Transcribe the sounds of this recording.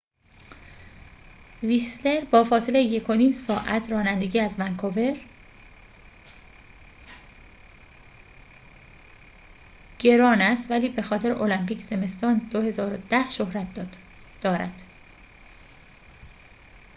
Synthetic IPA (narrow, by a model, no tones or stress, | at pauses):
visle̞ɾbɒːfɒːse̞le̞jeje̞kʰo̞niːmsɒːʔæt̪ʰɾɒːnænd̪e̞ɟiːæzvæŋkʰove̞ɾ | ɟ̥e̞ɾɒːnæst̪væliːbe̞xɒːt̪e̞ɾeʔo̞læmpiːcʰz̥e̞me̞st̪ɒːnd̪ohe̞zɒːɾod̪̥æhʃohɾæt̪ | d̪̥ɒːɾæ̰d̪̥